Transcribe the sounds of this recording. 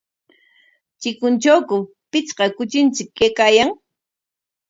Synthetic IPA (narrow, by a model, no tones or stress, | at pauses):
t͡ʃɪkʊnt͡ʃawkʊ | pɪt͡sqɑkʊt͡ʃɪnt͡sɪkːejkaːjaŋ